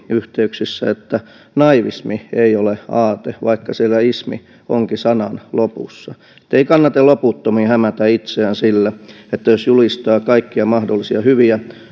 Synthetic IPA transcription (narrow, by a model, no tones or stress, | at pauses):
yht̪eyksisːæ̰et̪ːæ | nɑiʋismieioleɑːt̪eʋɑikːɑsielːæismḭ | oŋkisɑnɑnlopṵsːɑ | ĕ̥t̪ːeikɑnːɑt̪eloput̪ːomihæmæt̪æit̪seænsilːæ | et̪ːæjosjulist̪ɑːkɑikːiɑmɑhdolːˑisiɑhyʋiæ